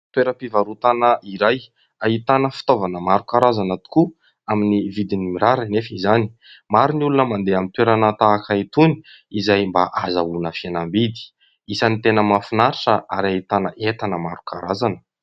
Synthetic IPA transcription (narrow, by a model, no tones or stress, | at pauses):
t̪weɾəpivaɾut̪anəʔiɾaj | aɦit̪anəfi̥t̪ovanəmaɾukaɾazanət̪u̥ku | aminivid̪inimiɾaɾinefizani̥ | maɾiniulunəmand̪eamint̪weɾanat̪akait̪uni̥ | izajmbaʔazaunəfianambid̪i̥ | isanit̪enəmafinaɾiʈ͡ʂəʔaɾait̪anəʔet̪anəmaɾukaɾazanə̥